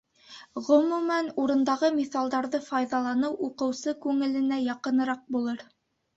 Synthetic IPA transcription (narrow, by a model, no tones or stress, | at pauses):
ʁɵ̆mumænuɾɤ̆nd̪ɑʁɤmiθɑlˠd̪ɑɾðɤfɑjðɑlˠɑnɤwʔuqɤ̆wsɤkʉŋɘ̆lɘ̆næjɑqɤ̆nɤ̆ɾɑq̚bulˠɤɾ